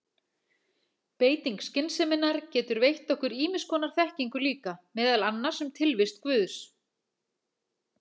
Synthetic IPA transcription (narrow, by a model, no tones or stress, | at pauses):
peːjt̪iŋkscɪnsɛmɪnːaɾ̥cɛːt̪ʏɾvejht̪ɔhkʏɾiːmɪskʰɔːnaɾ̥θɛhciŋkʏliːkamɛːðalanːḁsɛmt̪ʰɪlvɪst̪kvʏːðs